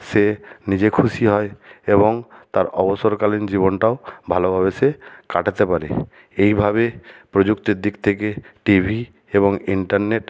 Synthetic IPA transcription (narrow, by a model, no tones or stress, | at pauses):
senid͡ʑekʰusiɦɔeebɔŋt̪aɾɔbosɔɾkalind͡ʑiβonʈaobʱalobʱabesekaʈat̪epaɾḛ | ejbʱabepɾod͡ʒukt̪id̪ik̚t̪ʰek̬eʈibʱi | eβoŋiɳʈaɾneʈ